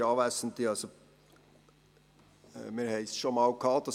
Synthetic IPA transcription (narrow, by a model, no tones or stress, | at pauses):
ɑːvæsənt̪iɑlso | miːɾhɛɪsʃomɑlkʰɑːt̪ɑ